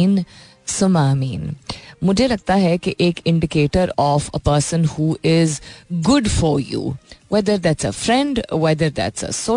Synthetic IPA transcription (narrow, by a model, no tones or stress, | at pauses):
n | sʊmaːmiːnmʊd͡ʒʱelɐɡ̚t̪aɦɛkeʔeːkɪ̃ɳɖɪkeːʈəɾɔːfə̰pəɾsə̃nhuːʔɪzɡʊɖfɔɾjṵːwɛd̪əɾd̪æʈsəfɾɛ̃ɳɖwɛd̪əɾd̪æ̰ʈsə̰soː